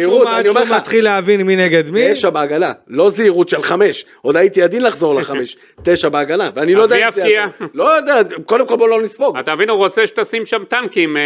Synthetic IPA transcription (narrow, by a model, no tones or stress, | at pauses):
iʁut̪vaniomeat̪χileavinmineɡed̪mieʃabeaɡalalo̞ziiʁut̪ʃelχame̞ʃʔo̞d̪ajit̪iad̪inlaχzo̞ʁleχame̞ʃ | t̪e̞ʃabeaɡanaveanilojdaafialo̞jod̪eako̞d̪emko̞lbolonisboɡat̪avinuʁot͡seʃe̥t̪asimʃamt̪amkim